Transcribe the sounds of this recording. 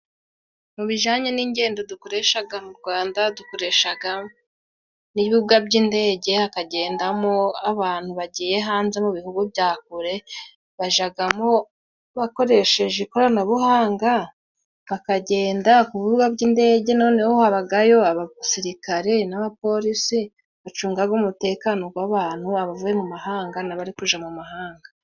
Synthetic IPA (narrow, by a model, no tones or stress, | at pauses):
muβiʒaːɲeniːɲɟe̞ːndo̞dukoɾe̞ʃaɡamuɾɡwaːndadukoɾe̞ʃaɡa | niβiuɡabɟiːnde̞ːɟe̞hakaɟe̞ːndamoaβaːn̥huβaɟiːje̞ɦaːnze̞muβihuɡubɟaːkuɾe̞ | βaʒaɡamo̞ | βako̞ɾe̞ʃe̞ʒekoɾanaβuhaːŋɡa | βakaɟe̞ːndakuβiβuɡabɟiːnde̞ːɟe̞no̞ːne̞hohaβaɡajo̞aβasiɾikaɾe̞naβapo̞ɾisi | βat͡ʃuːŋɡaɡumute̞ːkano̞ɡwaβaːn̥huaβavuje̞mumahaːŋɡanaβaɾikuʒamumaɦaːŋɡa